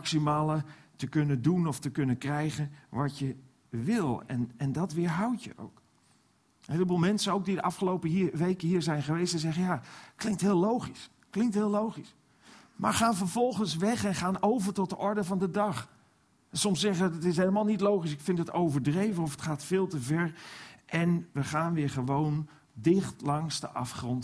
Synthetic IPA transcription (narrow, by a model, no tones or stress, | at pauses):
mksimaːlətəkɵnəndunɔftəkɵnənkrɛjχənʋɑcjə | ʋɪlˠɛ̰nɛndɑtʋɪːɹɦɑwtjə̰ʔo̰wk | hejlbəlˠmɛnsənowɡ̚didəʔɑfχəlowpəʋejkəɦiːɹzɛjnχəʋejstɛzɛχənjaːklɪŋktɦɪːlowχis | klɪŋktɦɪːlowχis | ma̰ːɹχaːnvəɹvɔlˠχənsʋɛχɛnχaːnowvəɹtɔt̚dəʔɔɹdəvɑndədɑχ | sɔmsɛχəəətɪs̬ɦejləmaːlˠnitlowχis̬ɪkfɪntdətowvəɹdrejvənɔfətχaːtfɪːlˠtəvɛɹʔɛnʋəχaːnʋɪːɹχəʋown | dɪχtlɑŋsdə̰ʔɑ̰fχrɔnt